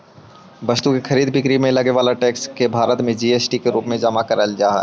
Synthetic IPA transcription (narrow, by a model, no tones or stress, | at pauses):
bɐst̪ukexʰɐɾiːd̪bɪkɾimẽlɐɡeʋaːlaʈeːkskebʱaːɾət̪mẽd͡ʒiːeːsʈikeɾuːpmẽd͡ʒamakɐɾəld͡ʒaːɦɛ̰